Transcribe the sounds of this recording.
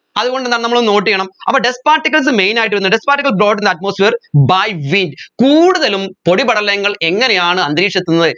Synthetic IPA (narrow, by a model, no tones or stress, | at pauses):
ɐðuɣo̞ɳɖenːaːlnɐmːɐɭono̞ːʈːijeɳɐmɐ̰pːoːɖespaːrtːikːɐls̬ɨmejnaːjiʈːɾunːɨɖespaːrʈːikːɐlbɾoːɖind̪ɐt̚moːsfeːrbajʋindkuːɽuðɐlumpo̞ɽibɐɽɐlːɐŋːɐɭʔe̞ŋːɐnejaːɳɨɐnd̪ɾiːkʂɐt̪ːunːɐðɨ